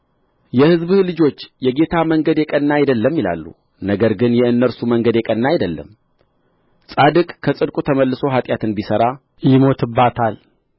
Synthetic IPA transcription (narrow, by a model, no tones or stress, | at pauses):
jɛhɨzβhlɨd͡ʒo̞t͡ʃːjɛɡe̞t̪ʰaməŋɡəd̪jɛkʼənːajd̪əlːəmːjila̰lːṵ | nəɡəɾɡɨnjɛɨnːəɾsuməŋɡəd̪jɛkʼənːajɪd̪əlːə̰m | sʼad̪ɨkʼkʰːəsʼɨd̪kʼut̪ʰəməlːɨso̞ɦat̪ʼjat̪ʰɨnbisəɾa | jɪmo̞t̪ʰɨbːat̪ʰal